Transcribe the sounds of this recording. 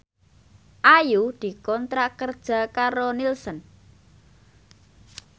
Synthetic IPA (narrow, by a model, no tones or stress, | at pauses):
ʔajud̪̥i̤kɔnt̪ɾaʔkərd̥ʒ̥a̤kaɾonilsən